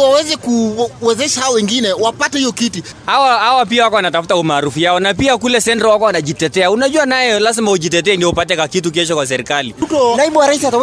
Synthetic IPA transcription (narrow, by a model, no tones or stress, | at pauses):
wawɛzɛkuwɛzɛʃahawɔwɛŋɡinɛwapatɛhijɔkiti | hawahawap̬iawakɔwanatafutaumaːɾufujaɔnapiakulɛsɛntɔwakɔwanaʄitɛtɛaunaʄuanajɛlazmahuʄit̬ɛt̬ɛɛndiupatɛkwakituk̬ɛʃɔkwas̬ɛɾikalitɔnaiɓuwaɾaiθiata